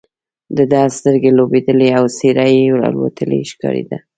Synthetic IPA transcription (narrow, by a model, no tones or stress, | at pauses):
d̪əd̪ɑst̪əɾɡelobed̪əleawseɾajɾɑ̰lwa̰t̪ʰəlḛʃkɑ̰ɾḛd̪a